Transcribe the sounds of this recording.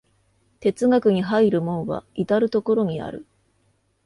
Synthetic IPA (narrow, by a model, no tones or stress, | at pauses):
t̪e̞t͡sɨɡakɯ̟ɲ̟iɦaiɾɯ̟mõ̞ɰ̃βa̰it̪aɾɯ̟t̪o̞ko̞ɾo̞ɲ̟ia̰ɾɯ̟̰